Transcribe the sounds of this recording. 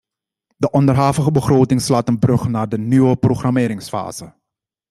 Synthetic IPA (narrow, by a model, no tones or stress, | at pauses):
dəʔɔndərɦaːvəχəbəχroːtɪŋslaːtənbrɵχnaːrdənyʋəproχramɪːɾɪŋsfa̰ːz̥ə